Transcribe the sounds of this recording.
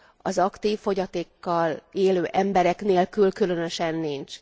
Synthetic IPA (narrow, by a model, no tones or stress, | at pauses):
ɒzɒkt̪iːfːo̞ɟɒt̪eːkːɒleːløːʔɛmbɛɾɛkneːlkylkylø̞nø̞ʃɛnːint͡ʃ